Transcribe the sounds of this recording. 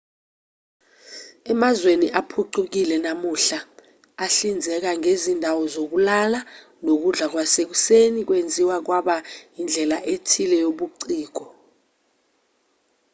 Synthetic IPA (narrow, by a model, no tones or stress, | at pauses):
ɛmazweniʔapʰuǀʰuk̬ilɛnamuɬa | aɬind͡zʱɛk̬aŋezindʱawɔzok̬ulala | nok̬uɮak̬wasek̬usenik̬wend͡zʱiwak̬waɓajind͡ɮʱɛlaʔetʰilɛjoɓuǀiːɡ̥ʱɔ